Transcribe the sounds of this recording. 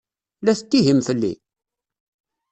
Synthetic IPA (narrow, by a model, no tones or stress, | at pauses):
læθət̪ːiɦimfəlːḭ